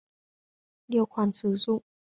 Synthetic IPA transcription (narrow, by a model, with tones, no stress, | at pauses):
ljo˥˧˩kʰwa˨˩˦nt͡s̩ʰ˨˥su˥˧˨